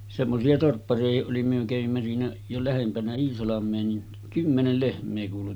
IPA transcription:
semːosiɑ torpːɑriɑhiʔ ʔoli myø kæʋimːæ siːnæ jo læhempænæ iːsɑlɑmˑeː niːn kymːenel lehmˑeː kuːlu

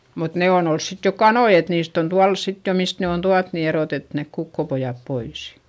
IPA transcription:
mut neˑ on ols sit jo kɑnoi et niːst on tuɑl sit jo mist ne on tuɑt ni eroˑtet nek kukːopojɑp pois

